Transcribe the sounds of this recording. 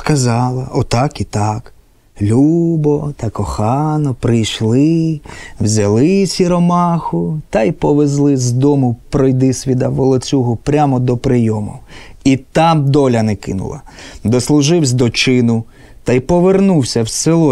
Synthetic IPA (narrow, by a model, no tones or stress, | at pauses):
skɐzɑlˠɐɔt̪ɑkit̪ɑk | lʲubɔt̪ɐkɔxɑnɔpɾɪjʃlˠɪ | wzʲɐlˠɪsʲiɾɔmɑxʊt̪ɑjpɔʋezlˠɪzd̪ɔmʊpɾɔjd̪ɪsʲʋʲid̪ɐʋɔlˠɔt͡sʲuɦʊpɾʲamɔd̪ɔpɾɪjɔmʊ̰it̪ɑmd̪ɔlʲɐnɛkɪ̰nʊ̰lˠɐ̰d̪ɔslˠʊʒɪwsʲd̪ɔt͡ʃɪnʊ | t̪ɑjpɔʋernuwsʲɐwselˠɔ